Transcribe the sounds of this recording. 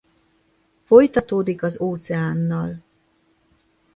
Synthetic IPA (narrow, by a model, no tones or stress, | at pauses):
fo̞jt̪ɒt̪oːd̪ikɒzoːt̪sɛaːnːɒl